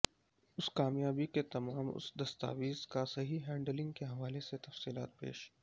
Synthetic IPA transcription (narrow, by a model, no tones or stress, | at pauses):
ʊskaːmjaːbiket̪ɐmaːmʊ̰sd̪ɐst̪a̰ːʋiːzkasɐɦiɦɛ̃ːɳɖəlɪ̃ŋɡkeɦɐʋaːleset̪ɐfsiːlaːt̪̚pḛːʃ